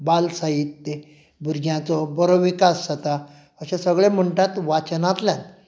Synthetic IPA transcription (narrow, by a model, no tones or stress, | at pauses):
balsaɦit̪ːe | bʱuɾɡjãt͡sɔbəɾoʋikasːət̪a | əɕãsəɡɭem̤əɳʈãt̪ʋat͡snãt̪ljãn